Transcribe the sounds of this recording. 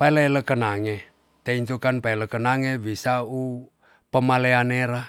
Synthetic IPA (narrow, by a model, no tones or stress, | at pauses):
paeleeləkənaŋe | t̪eint̪ukanpaeləkənaŋebisau | pəmaleaneɾa